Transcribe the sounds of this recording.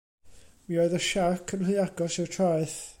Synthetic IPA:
mioɨðəʃakʰənlɨaɡɔsɪwtʰraɨθ

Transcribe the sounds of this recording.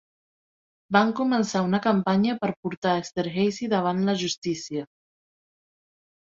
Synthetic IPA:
baŋkumənsaunəkəmpaɲəpəɾpuɾt̪aəkst̪əɾɣɛjsiðəβ̞anləʒust̪isiə

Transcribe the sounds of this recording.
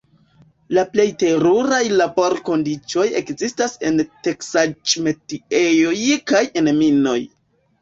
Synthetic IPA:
laple̞jte̞ɾuɾajlabo̞ɾko̞ndit͡ʃo̞je̞̰kzistase̞nte̞ksat͡ʃme̞tiejo̞jkaje̞nmino̞̰j

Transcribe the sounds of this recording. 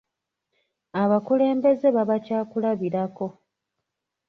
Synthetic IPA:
aβakule̞ːmbe̞ze̞βaβacaːkulaβiɾako̞

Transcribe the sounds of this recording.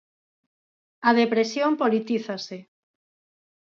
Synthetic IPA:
að̞epɾesjompolit̪iθase

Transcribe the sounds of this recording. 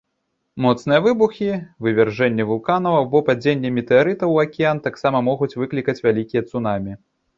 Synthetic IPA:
mɔt̪snɨjɐvɨbuxʲivɨvʲɛrʐɛnʲːɛvulˠkanɐwɐwbɔpad͡zʲenʲːɐmʲit̪ɛaɾɨt̪ɐwɐkʲijant̪aksamɐmɔɣut͡sʲvɨklʲikɐt͡sʲvʲalʲikʲijɐt̪sunamʲi

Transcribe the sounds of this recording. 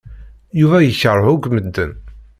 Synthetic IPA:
juvæjəçərˤːhʊɡməd̪ːən

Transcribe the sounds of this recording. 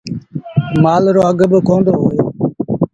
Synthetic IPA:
maːlɾoːəɡbkoːnd̪oːɦoːjoː

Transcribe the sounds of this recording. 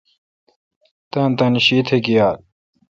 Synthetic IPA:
t̪ant̪anɕit̪ʰeɡijaːt̪̚

